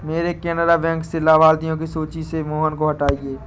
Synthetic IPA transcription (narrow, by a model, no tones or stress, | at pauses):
meːɾekɛːnəɾabɛ̃ːŋksɪlːaʋaːld̪ijõkisoːt͡ʃisemoːɦənkoɦɐʈaːieː